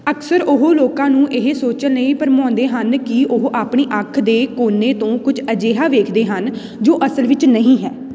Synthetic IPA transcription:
əksəɾʊɦoːloːkãːnũːʔɪɦsoːt͡ʃənnəĩːpəɾmɔ̃ːnd̪eːɦənkɪʊɦʔaːpɳeːʔəkʰd̪eːkoːnːeːt̪õːkʊd͡ʒəd͡ʒeːɦaːʋeːkʰd̪eːɦən | d͡ʒoːʔəsəlʋɪt͡ʃnəɦĩːɦɛː

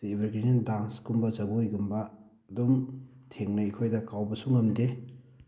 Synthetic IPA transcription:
ibaɾɡɾinindansɡumbɐzɐɡujɡumbɐː | dumtʰeŋnɐikʰojdɐkawbɐsuŋɐmde

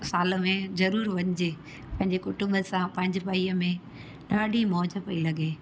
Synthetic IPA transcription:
saːlə̆mẽzɐɾuːɾʋɐɲɪd͡ʑeː | pɐ̃ɦɪ̃ɲd͡ʑekʊʈʊ̃mbəsãpɐ̃ɦɪ̃ɲd͡ʑpaiːəmẽ | ɗaːɖʱimɔːd͡ʑə̆pɐilɐɠeː

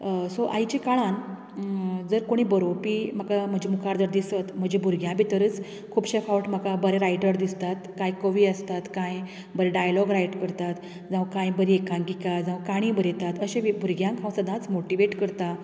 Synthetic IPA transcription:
soʔa̰jit͡ɕekaɭãn | d͡zəɾkoɽ̃iːbəɾopiːm̤əkam̤əd͡ʑemukʰaɾd̪əɾd̪isət̪m̤əd͡ʑebʱuɾɡjãbʱit̪əɾət͡s | kʰuːpɕefawʈm̤əkabəɾeɾajʈəɾd̪ist̪at̪kajkəʋiːəst̪at̪kãj | bəɾeɖajlɔɡɾajʈkəɾt̪at̪ | d͡zãʋkãjbəɾiekʰãŋkikad͡zãʋkaɽ̃ĩbəɾet̪at̪əɕẽʋbʱuɾɡjãŋkʰãwsəd̪ãt͡smoʈiʋeʈkəɾt̪a

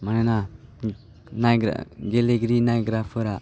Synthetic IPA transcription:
manana | najɡa̰ɡeleɡɾinajɡɾapʰɯɾa

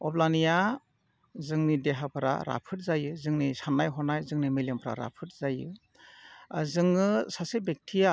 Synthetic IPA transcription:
ɔblanija | zɯŋnideɦapʰɾa̰ɾa̰pʰɯt̚zajɯzɯŋnisanːajɦɔnajzɯŋnimilempʰɾa̰ɾa̰pʰɯt̚z̥ajɯ̰ | zɯŋɯsasebek̚tʰija

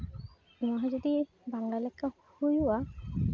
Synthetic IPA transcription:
ũaɦazɔd̪i | baŋlalɛkːa | hujuwa

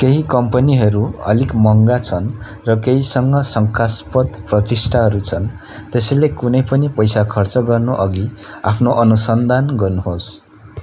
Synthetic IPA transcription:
keɦikʌmpʌniɦʌɾuʌ̰likmʌŋɡat͡sʰʌn | rʌkeɦisʌŋɡʌsʌŋkaspʌt̪prʌt̪isʈʰaɦʌɾut͡sʰʌn | t̪esʌjlekunʌjpʌnipʌjsakʰʌrt͡sʌɡʌrnoʔʌɡiapʰnoʔʌnusʌnd̪ʱanɡʌrnuɦos

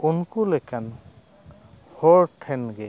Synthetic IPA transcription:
unkulɛkan | hɔɹtʰɛnɡɛ

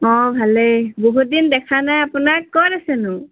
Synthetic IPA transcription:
ɔ̃bʱaleboɦut̚dindɛkʰanajapunakːɔɹasɛnʊ

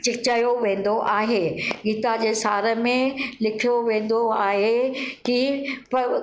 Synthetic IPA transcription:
t͡ɕɪkt͡ɕaːjoʋẽːn̆d̪oʔaːɦeːɡiːt̪ad͡ʑeːsaːɾə̆mẽlɪkʰijoʋẽːnd̪oaːɦekipɐ

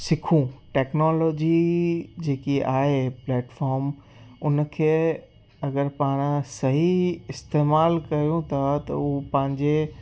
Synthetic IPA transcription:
sɪkʰũʈɛːknoːloːd͡ʑid͡ʑeːkiaːɦeplɛːʈfɔːɾm | ʊn̆kʰeː | ɐɡəɾpaːɽ̃sɐɦiɪst̪eːmaːlkɐijũt̪ʰat̪ɐ̰upɐ̃ɦɪ̃ɲd͡ʑe

